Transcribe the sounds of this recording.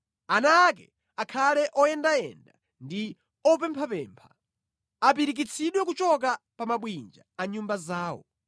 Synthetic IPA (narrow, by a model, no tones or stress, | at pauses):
anaːk̬ɛ̰ | akʰalɛʔɔjɛndaɛ̰nda | ndi | ɔp̬ɛmpʰapɛːmpʰḁ | ap̬iɾik̬it͡sʰiɗwɛk̬ut͡ʃɔk̬apamaɓwind͡ʒa̰aɲumbazaːwɔ̰